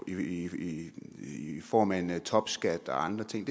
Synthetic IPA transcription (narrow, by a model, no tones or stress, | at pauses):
iii | fɒ̰ːmæent͡sʰɒ̽b̥sɡ̥æd̥ɒ̽ɑ̈nd̥ʁɐt͡sʰe̝ŋ̰d̥e